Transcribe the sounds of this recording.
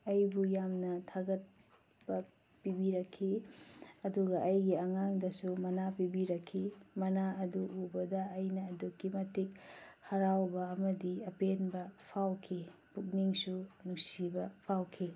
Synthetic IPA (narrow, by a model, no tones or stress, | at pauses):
ɐjbujamnɐtʰaɡɐt̚ | b̥ɐ | pibiɾɐkʰːi | ɐduɡɐʔɐjɡiɐŋaŋdɐsumɐnapibiɾɐkʰːimɐnaɐduʔubɐdɐːjnɐːdukːimɐtik̚hɐɾawbɐːmɐdiɐpenbɐpʰawkʰipuk̚niŋsunusibɐpʰawkʰi